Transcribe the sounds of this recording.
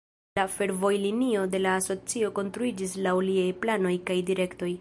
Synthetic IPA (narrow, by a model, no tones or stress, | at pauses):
afe̞ɾvo̞jlinio̞de̞laːso̞t͡sio̞ko̞nst̪ɾuid͡ʒislawliajplano̞jkajdiɾe̞kto̞j